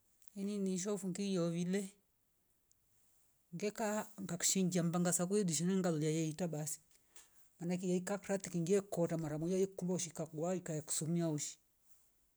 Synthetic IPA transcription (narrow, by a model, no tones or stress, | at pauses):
ininiʃ̬ɔfuŋɡijɔβilɛ | ŋɡɛkaŋɡaku̥ʃiŋɡiambaŋɡasak̬ujɛdiʃ̬inɛŋɡalɔliajɛitaɓasi̥ | manak̬ijaikakɾatikiŋɡiɛkɔtamaɾamujajikulauʃikakuwaikajaku̥sumiauʃi̥